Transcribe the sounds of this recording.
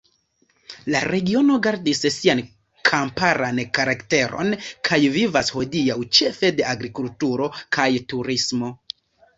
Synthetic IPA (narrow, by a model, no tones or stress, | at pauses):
laɾe̞ɡio̞no̞ɡaɾdissian | kʰampaɾankaɾakte̞ɾo̞̰nkʰajvivasho̞diawt͡ʃe̞fe̞de̞aɡɾikultuɾo̞kʰajtuɾismo̞